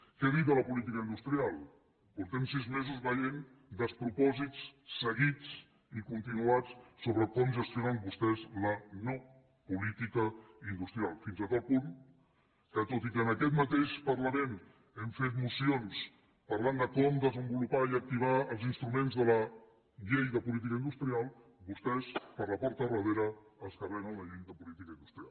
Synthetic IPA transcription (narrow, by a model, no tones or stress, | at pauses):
kɛðit̪d̪ələpulit̪ikəinust̪ɾialˠ | puɾt̪ɛmsizmezuzβəʎen | d̪əspɾupɔzit͡sːəɣit͡s | ikunt̪inuat͡ssoβɾəkɔmʒəst̪jonambust̪ɛzləno | pulit̪ikəind̪ust̪ɾialˠfinzət̪al̚pun | kət̪ot̪ikəːnəkɛt̪mət̪eʃpəɾləmen | ɛmfet̪musions | pəɾland̪əkɔmd̪əzəmbulupaiək̚t̪iβaəlˠzinst̪ɾumẽnzðələ | ʎejðəpulit̪̬ikəind̪ust̪ɾialˠbust̪ɛspəɾləpɔɾt̪ərəβ̞eɾəːlˠskərɛnələʎejðəpulit̪ikəind̪ust̪ɾialˠ